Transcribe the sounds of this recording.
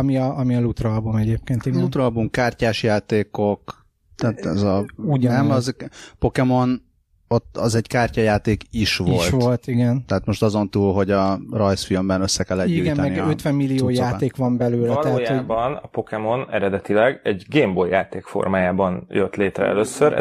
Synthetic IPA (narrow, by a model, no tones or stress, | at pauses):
ɒmiɒʔɒmiɒlut̪roɒbumɛɟeːp̚keːnt̪ilut̪roɒlbumkaːrcaːʃjaːt̪eːko̞k | t̪ɛːt̪ɛzɒunɛmɒzpo̞kɛmo̞n | ot̪ːɒzɛɟkaːrcɒjaːt̪eːkiʃʋoi̞lʃtʋto̞lt̪iɡɛnt̪ɛɦaːt̪mo̞ʃt̪ɒzo̞nt̪uːlɦo̞ɟɒrɒjsfilmbɛnøsːɛkɛlːɛɟiuːjɡɛmmɛniøt̪ʋɛmːilːijoːjaːeːkʋɒmbɛløːlɛlɛtj̪hobɒnɒpo̞kɛmo̞nɛ̰ɾɛd̪ɛt̪ilɛɡɛɟɡeːmbojaːt̪eːkfo̞̰rmaːjaːbɒnjøt̪leːt̪ɾɛ̰ɛ̰løsːøɾ̰